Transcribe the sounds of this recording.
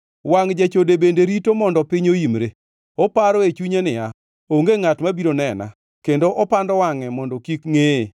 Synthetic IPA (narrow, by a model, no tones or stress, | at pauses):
waŋd͡ʒet͡ʃodebendeɾitomɔndɔpɪɲoimɾe | ɔpaɾɔet͡ʃuɲenɪa | oŋɡeŋatmabiɾonɛna̰ | kendoʔɔpandɔwaŋɛmɔndɔkikŋe